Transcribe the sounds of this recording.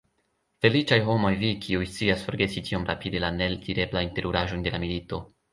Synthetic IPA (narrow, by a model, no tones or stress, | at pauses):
fe̞lit͡ʃajɦo̞mo̞jvikʰiujst͡siasfo̞ɾɡe̞sitio̞mɾapide̞laneltʰiɾe̞blajinte̞ɾuɾaʒo̞nde̞lamilito̞